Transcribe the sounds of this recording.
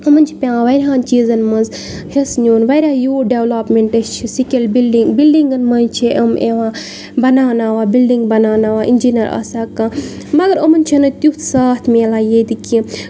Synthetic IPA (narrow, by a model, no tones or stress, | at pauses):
ɐmɐnʲt͡ʃʰipʲãːʋɐɾʲɦãːnt͡ʃiːzɐnmɐnz | hesnʲuːnʋɐjɾʲãːjoːɖeʋlaːpmeɳʈɐst͡ʃʰisikʲelbilɖiŋɡbilɖiŋɡɐnmɐnt͡ʃʰiʔɐmeʋãː | bɐnaːnaːʋaːbilɖiŋɡbɐnaːnaːʋaːʔḭnʲd͡ʒinɐɾɐ̰saːka | mɐɡɐɾɐmɐnʲt͡ʃʰinɐt̪ut̪ʰsaːt̪ʰmeːlaːjeːd̪iki